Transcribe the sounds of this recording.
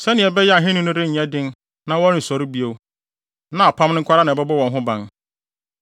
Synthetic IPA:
sɛ˦nɪ̃˨ɛ˨bɛ˦jɛ˦a˨ɦɪ̃˦nʊ̃˦nʊ̃˦ɾɪ˦ɲ̩˨ɛ̃˦dɪ̃˦n | nã˦wɔ̃˦n̩˨sɔ˨ɾi˦bi˦o˨w | nã˦a˨pʰã˦mnʊ̃˦ŋ̩˦kʰa˦ɾa˦nã˨bɛ˦bʊ˦wɔ̃˨nɦʊ̃˦bã̰˨n

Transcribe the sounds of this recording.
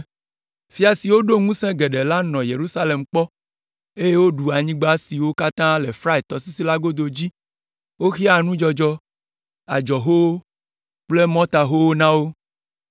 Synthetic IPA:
fi˦a˨si˨wo˦ɖo˦ŋũ˦sɛ̃˦ɡe˨ɖe˨la˦nɔ̃˨je˨ɾu˦sa˦le˨mk͡pɔ˦ | e˦je˦wo˦ɖu˨a˨ɲĩ˦ɡ͡ba˦si˨wo˦ka˦t̪ã˦le˨fɾa˦e˨t̪ɔ˦si˦si˦la˦ɡo˦d̪o˨d͡ʑi˦ | wo˦xi˦a˦˨nũ˦d͡ʒɔ˨d͡ʒɔ˦ | a̰˨d͡ʒɔ˨ɦo˦wo˦ | k͡ple˦mɔ̃˦t̪a˨ɦo˦wo˦nã˦wo˦

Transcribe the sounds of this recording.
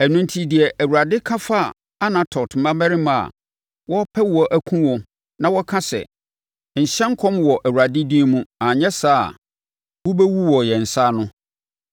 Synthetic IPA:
æ˨nũ˦n˦tʰi˨dɪ˨ɛ˨ʔæ˨wu˨ɾa˨dɪ˦kʰã˦fa˦˨ | a˦nã˨tʰɔ˨tm̩˨mã˦mæ˦ɾɪ˦mã˨a̰˨ | wɔ˦pʰɛ˦˨ɔ˨ʔæ˦kʷʰũ˦wɔ̃˨ | nã˦wɔ˦kʰã˦sɛ̰˨ | ɲ̩˨ɕɛ̃˦ŋ˦kʰɔ̃˦mwɔ˨ʔæ˨wu˨ɾa˨dɪ˦dĩ˦mũ˦ã˨ɲɛ̃˦sa̰ː˦˨ | wu˦bɛ˦wu˦wɔ˨jɛ˨n̩˨sa˦nʊ̃˦

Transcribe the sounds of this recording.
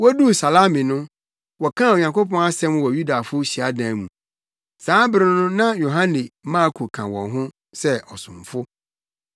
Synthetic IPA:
wɔ˦du˦˨sa˨la˦mɪ̃˨nʊ̃˦ | wɔ˨kʰã˦˨o˨ɲ˨ã˨ŋko˦pɔ̃˦a˦sɛ̃˦mwɔ˨ju˦da˨fʊ˦ɕi˨a˦dã˨mũ˨ | sãː˨˦bɪ˦ɾɪ˦ʊ̃˦nʊ̃˦nã˦jo˨ɦã˦nĩ˨˦mã˦kʰo˨kʰã˨wɔ̰̃˨ɦʊ̃˦ | sɛ˦ʔɔ˨sʊ̰̃˨mfʊ˦

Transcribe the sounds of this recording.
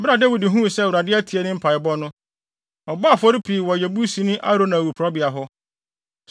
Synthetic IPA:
bɪ˦ɾa˨de˦wi˨di˨ɦũ˦˨sɛ˦wʊ˨ɾa˨dɪ˦æ˦tʰi˨ɛ˦nɪ̃˦m̩˦pʰa˨ɪ˨bɔ˦nʊ̃˦ | ɔ˨ba˦˨fɔ˦ɾi˦pʰi˨wɔ˨jɛ˨bu˦si˦nʊ̃˦ʔa̰˦ɾo˦nã˨wu˨pʰɾɔ˦bɪ˨a˨ɦʊ˦

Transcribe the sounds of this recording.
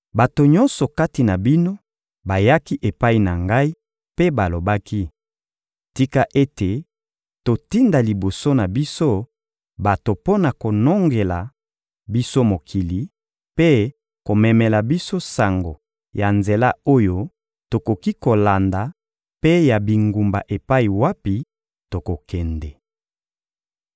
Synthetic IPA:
ba˨to˨ɲɔ˦nsɔ˨ka˦ti˨na˨bi˦no˦ | ba˨ja˦ki˦ʔe˨pa˦i˦na˨ŋɡa˦i˦ | pe˦ba˨lo˨ba˦ki˦ | ti˦ka˦ʔe˦te˨ | to˨ti˦nda˨li˨bo˨so˦na˨bi˦so˦ | ba˨to˨po˦na˨ko˨no˦ŋɡe˨la̰˨ | bi˦so˦mo˨kʰi˨li˨ | pe˦ | ko˨mɛ˨mɛ˨la˨bi˦so˦sa˨ŋɡo˨ | ja˨nze˨la˦o˦jo˦ | to˨ko˨ki˦ko˨la˨nda˨ | pe˦ja˨bi˨ŋɡu˨mba̰˨ʔe˨pa˦i˨wa˦pi˨ | to˨ko˨kɛ˨ndɛ˨

